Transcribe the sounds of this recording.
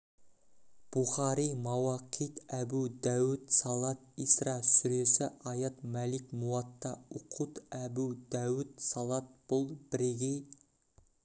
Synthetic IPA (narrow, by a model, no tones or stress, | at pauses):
b̥uχɑɾijmɑwɑqʰijt̪æbud̪æwɪt̪sɑlˠɑt̪̚isrɑsʏɾe̞sɪʔɑjɑt̪mælɪkmuɑt̪ːɑʊqʰut̪æbud̪æwɪt̪sɑlˠɑt̪̚b̥ʊlˠbɪɾeɡʲej